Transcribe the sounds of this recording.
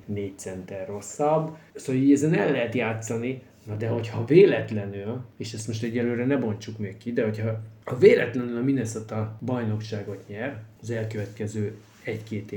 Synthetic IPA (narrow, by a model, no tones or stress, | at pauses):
neːc̚t̪sɛnt̪ɛrːo̞sːɒbsoːliːɟɛzɛnɛmlːɛɦɛt̪jaːt̪sɒni | nɒd̪ɛɦo̞chɒveːlɛt̪lɛnyleːʃɛst̪moʃt̪ɛɟːɛløːɾɛnɛbo̞nt͡ʃukmekːid̪ɛɦo̞cʰhɒːveːlɛ̰t̪lɛnylɒminɛsot̪ɒbɒjno̞kʃaːɡo̞t̪ɲɛrɒzɛlkøvɛt̪kɛzøː | ɛckeːt̪eː